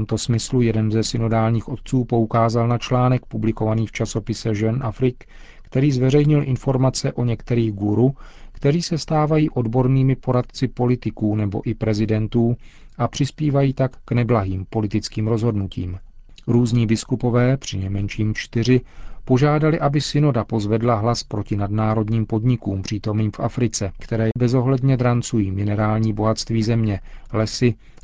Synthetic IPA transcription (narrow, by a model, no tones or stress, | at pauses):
t̪omt̪o̞smɪslujɛdɛnzɛsɪno̞daːlɲiːxʔo̞t̪̚t͡suːpo̞ukaːzalnat͡ʃlaːnɛk̚publɪko̞vaniːft͡ʃaso̞pɪsɛʒɛnʔafɾɪk | kt̪ɛɾiːzvɛrɛjɲɪlʔɪnfo̞ɾmat͡sɛʔo̞ɲɛkt̪ɛɾiːɣɡuɾukt̪ɛɾiːsɛst̪aːvajiːʔo̞dbo̞ɾniːmɪpo̞ɾat̪t͡sɪpo̞lɪt̪ɪkuːnɛbo̞̰ʔɪpɾɛzɪdɛnt̪uː | ʔapr̝̥ɪspiːvajiːt̪akːnɛblaɦiːmpo̞lɪt̪ɪt͡skiːmɾo̞zɦo̞dnucḭːm | ɾuːzɲiːbɪskupo̞vɛːpr̝̥ɪnɛjmɛnʃiːmt͡ʃt̪ɪr̝ɪpo̞ʒaːdalɪʔabɪsɪno̞dapo̞zvɛdlaɦlaspɾo̞cɪnadnaːɾo̞dɲiːmpo̞dɲɪkuːmpr̝̥iːt̪o̞mniːmfʔafɾɪt͡sɛkt̪ɛɾɛːbɛzo̞ɦlɛdɲɛd̪ɾant͡sujiːmɪnɛɾaːlɲiːbo̞ɦat̪st̪viːzɛmɲɛlɛsɪ